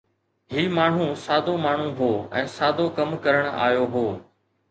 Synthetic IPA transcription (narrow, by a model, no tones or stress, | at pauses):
ɦiːmaːɳ̤ũːsaːd̪ʱomaːɳ̤ũːɦoːɛ̰̃ːsaːd̪ʱoːkəmkəɾəɽ̃a̰ːjoːɦoː